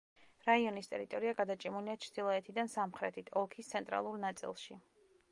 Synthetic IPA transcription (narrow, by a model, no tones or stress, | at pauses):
ɾaiɔnist̪ʼɛ̰ɾit̪ʼɔɾiaɡad̪at͡ʃʼimuliat͡ʃʰɾd̪̥ilˠɔɛt̪ʰid̪ansamχɾɛt̪ʰit̪ʰɔlˠkʰist̪sʰɛnt̪ʼɾa̰lˠuɾnat̪sʼḭlˠʃi